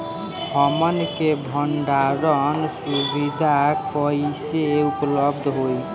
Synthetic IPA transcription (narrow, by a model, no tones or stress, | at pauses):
ɦəmənkebʱəɳɖaɾənsubid̪ʱakəiseupləb̚d̪ʱɦoj